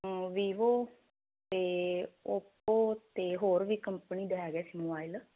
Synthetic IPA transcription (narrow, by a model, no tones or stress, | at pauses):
ʋiːʋoː | t̪eːoːpoːt̪eːɦoːɾʋiːkəmpəniːd̪eɛːɡɛːsiːmoːbaːɪl